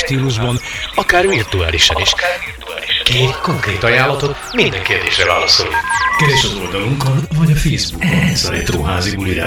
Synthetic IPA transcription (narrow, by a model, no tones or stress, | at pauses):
ʃt̪iːluʒbɒnɒkaːrvirt̪ua̰ːliʃɒniʃ | uaːiʃkeːt̪ko̞ŋkreːt̪ɒjaːlːɒt̪o̞t̪ | mind̪ɛŋkeːrd̪ḛːʃrɛva̰ːlɒso̞̰lḭkɛvɛʃɒzo̞ld̪ɒluŋkɒnvɒɟɒfeːzbuɛɛsɒɛ̰t̪ro̰ːɦa̰ːzibuliɾa̰